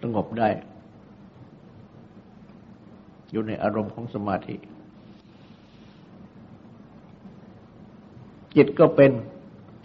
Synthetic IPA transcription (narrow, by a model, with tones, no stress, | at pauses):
sa˧ŋo˨˩p̚daː˥˩j | juː˨˩na˧jʔa̰ː˧ɾo˧mkʰɔː˩˦ŋsa˧maː˧t̪ʰḭ˨˩ʔ | t͡ɕi˨˩t̪̚kɔː˥˩pe˧n